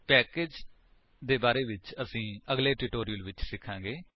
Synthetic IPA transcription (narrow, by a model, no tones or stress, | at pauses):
pɛːkeːd͡ʒ | d̪eːbaːɾeːʋɪt͡ʃəsĩːəɡleːʈɪʈoːɾijəlʋɪt͡ʃsɪkʰːãːɡeː